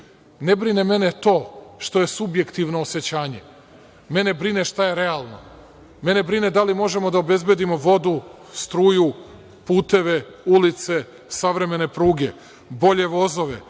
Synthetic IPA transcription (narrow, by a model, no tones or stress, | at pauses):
nebɾineme̞net̪o̞ːʃt̪o̞je̞subje̞kt̪iʋno̞ːse̞t͡ɕaːɲe̞ | me̞nebɾineʃt̪ajeɾe̞alˠno̞̰ | me̞ne̞bɾined̪alimo̞ʒe̞mo̞d̪aobe̞zbjed̪imo̞ʋo̞d̪u | st̪ɾuːju | puːt̪e̞ʋe̞ | ulit̪se̞ | saʋɾe̞me̞ne̞pɾuːɡe̞ | bo̞ʎe̞ʋo̞zo̞ʋe